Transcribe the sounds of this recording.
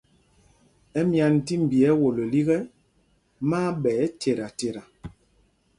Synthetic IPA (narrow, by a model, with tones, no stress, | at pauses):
ɛ˦mja˨n˨ti˦m̩˨bi˨ɛ˨˦wo˨lo˨li˦ɣɛ˦ | maː˦ɓɛː˨˦tʰe˨ɾa˨te˨ɾa˨